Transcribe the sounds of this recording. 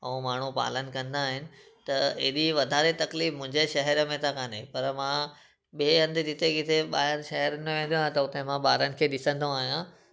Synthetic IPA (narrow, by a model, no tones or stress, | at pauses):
ɐũmaːɳ̤upa̰ːlənkɐ̃nd̪aːɦɪnɪ̆ | t̪ɐɪɗiʋɐd̪ʱaːɾet̪ɐkliːfmʊ̃ɦɪ̃ɲd͡ʑeʃɐɦɛɾə̆mẽt̪ʰakaːnepɐɾmã | ɓeːɐ̃nd̪ɪd͡ʑɪt̪ekɪt̪eɓaːɦɪɾʃɐɦɛɾənmẽʋẽːn̆d̪j̃ãt̪ɐʊt̪emãɓaːɾənɪ̆kʰeːɗɪsə̃nd̪ʱõaːɦijã